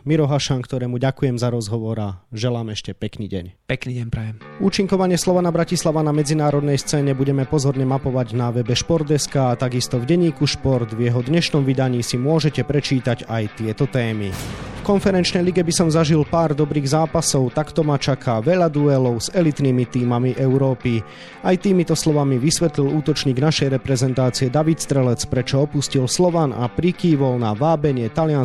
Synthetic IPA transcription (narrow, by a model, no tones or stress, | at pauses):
miɾɔɦaʃankt̪ɔɾɛːmuɟakujɛmzaɾɔzɦɔʋɔɾaʒɛlaːmɛʃcɛpɛknḭːɟɛ̰ɲpɛkniɟɛɲpɾɛʋɛmuːt͡ʃiŋkɔʋaɲɪɛslɔʋanabɾacislaʋanamɛd͡zinaːɾɔd̪nɛjst͡sɛːɲɛbuɟɛmɛpɔzɔɾɲɛmapɔʋaɟnaʋɛbɛʃpɔɾd̪ɛskaːt̪aɡist̪ɔvɟɛɲiːkuʃpɔɾd̪vjɛɦɔd̪ɲɛʃnɔmʋid̪aɲiːsimʊɔʒɛcɛpɾɛt͡ʃiːt̪aɟajt̪ɪɛt̪ɔt̪ɛːmifkɔnfɛɾɛnt͡ʃnɛjliɡɛbisɔmzaʒilpaːɾd̪ɔbɾiːɣzaːpasɔʊt̪akt̪ɔmat͡ʃakʰaʋɛʎad̪uɛlɔʊzɛlit̪niːmit̪iːmamiʔɛʊɾɔːpi | ajt̪iːmit̪ɔslɔʋamiʋisʋɛt̪liluːt̪ɔt͡ʃɲiːɡnaʃɛjɾɛpɾɛzɛnt̪aːt͡siɛd̪aʋit̪st̪ɾɛlɛt͡spɾɛt͡ʃɔɔpuscilslɔʋana̰pɾikiːʋɔlnaʋaːbɛɲɪɛt̪alɪan